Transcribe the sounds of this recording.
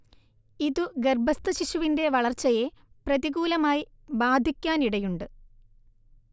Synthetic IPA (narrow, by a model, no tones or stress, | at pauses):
iðuɡerbʱɐst̪ɐɕiɕuʋinde̞ʋɐɭɐrt͡ɕːɐje̞ | prɐðiɣuːlɐmaːji | baːd̪ʱikʲːaːniɽɐjuɳɖɨ